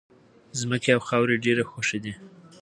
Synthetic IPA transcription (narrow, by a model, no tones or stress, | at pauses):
zməkeawxɑwɾeɖeɾexoʃed̪i